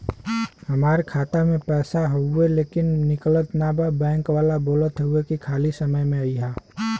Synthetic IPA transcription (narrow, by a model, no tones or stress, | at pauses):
həmaːɾkʰaːt̪amẽpɛːsaɦoueleːkɪnːɪklət̪nababɛ̃ːŋkʋaːlaboːlət̪ɦouekikʰaːlisəməjmẽəiɦaː